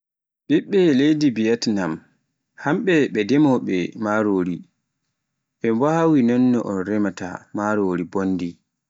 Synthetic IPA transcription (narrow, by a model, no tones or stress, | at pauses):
ɓiɓːɛlejdibijatnam | hamɓɛɓɛdɛmɔɓɛmaɾoːɾi | ɓɛmbawinɔnːɔʔɔnɾɛmata̰maɾoːɾibonːdi